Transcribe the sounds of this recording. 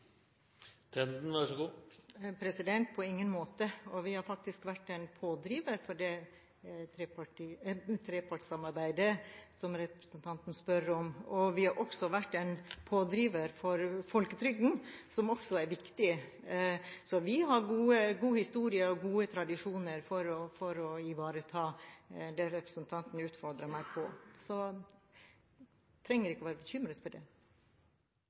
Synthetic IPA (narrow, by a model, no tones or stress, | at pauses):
t̪ʰɛnd̪n̩ʋæʂɔɡuːpʰɾɛsɪd̪ɛnt̪̚pʰɔɪŋːənmoːt̪əɔʋɪhɑɾfɑk̚t̪ɪskʋæʈːɛnpʰoːd̪ɾiːʋəɾfɔɖɛ | t̪ʰɾɛpɑʈit̪ʰɾɛːpʰɑʈsɑmɑɾbæɪd̪əsɔmɾɛpɾəsənt̪ʰɑnt̪n̩spœɾɔmɔʋɪhɑɾʔɔksɔʋæʈːɛnpʰoːd̪ɾiːʋəɾfɔɾfɔlkət̪ʰɾʏɡn̩sɔmɔksɔæɾʋɪkt̪ɪ | sɔʋɪɦɑɾɡuːəɡuːhɪst̪uːɾɪəɔɡuːət̪ʰɾɑd̪ɪʂuːnəɾfɔɾɔfɔɾɔɪʋɑːɾət̪ʰɑːd̪ɛɾɛpɾəsnt̪ʰɑnt̪n̩ʉːt̪fɔɾd̪ɾəmæɪpʰɔsɔ | t̪ʰɾɛŋːəɾɪkəɔʋæːɾəbəçʏmɾət̪fɔɖɛ